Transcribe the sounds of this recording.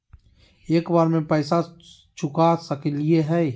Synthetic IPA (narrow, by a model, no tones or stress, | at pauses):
eːkbaːɾmẽpɛːsa | t͡ʃʰʊkasəklieɦɛ